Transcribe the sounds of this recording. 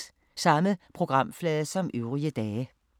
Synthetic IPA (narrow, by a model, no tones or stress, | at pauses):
sɑ̈məpʰʁo̝ɡ̥ʁɑ̈m̰flɛːðˠsɒ̽mʔøʊʁiəd̥ɛː